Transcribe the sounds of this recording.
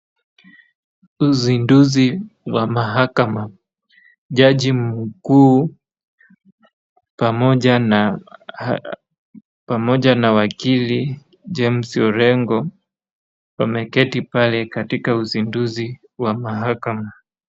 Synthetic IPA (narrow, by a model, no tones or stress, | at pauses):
uzinduziwamaɦakama | ʄaʄim̩kuː | pamɔʄana | pamɔʄanawakili | d͡ʒɛm̩siɔɾɛŋɡɔ | wamɛkɛtipalɛkatikauzinduzi | wamaɦakama